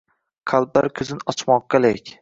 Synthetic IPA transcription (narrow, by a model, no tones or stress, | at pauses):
qʰalˠb̚la̰ɾkʲʰɵzɪnɒt͡ʃʰmɒq̚ːalekʲ